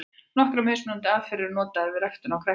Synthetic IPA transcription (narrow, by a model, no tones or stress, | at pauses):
nɔhkɾʏmejsmɛant̪ɪaːvfɪɾɪɾnɔːt̪aɛɾvɪɾɛxt̪ʏnawkʰɾɛ